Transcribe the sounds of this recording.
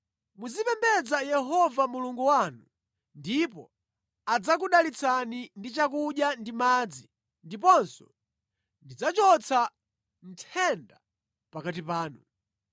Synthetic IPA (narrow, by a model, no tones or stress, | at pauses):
muzipɛmbɛd͡zajɛɦɔvamuluŋɡuwanu | ndipɔ̰ | ad͡zak̬uɗalit͡sanindit͡ʃakuɗjandimad͡zi | ndipɔnsɔ̰ | ndid͡zat͡ʃɔt͡sʰa | n̩tʰɛnda | pakatipaːnu